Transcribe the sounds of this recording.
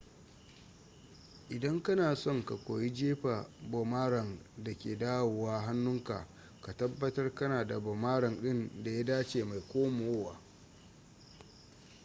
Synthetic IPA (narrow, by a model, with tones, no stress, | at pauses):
ʔɪ˨dɐ˦ŋkɐ˦naː˨sɔ˦˨ŋka˨kʷoː˨ji˦d͡ʒeː˦ɸa˨bo˨maː˦ɾɐ˨nda˨kʲeː˨daː˦woː˨waː˦ɦa˦nːʊ˦ŋka̰˨ | ka˨tɐ˦bːɐ˦tɐ˦rkɐ˦naː˨da˨bɔ˨maː˦ɽɐ˨nɗɪ˦nda˨ja˦daː˦t͡ʃeː˨ma˨jkʷoː˦mo˨woː˦waː˨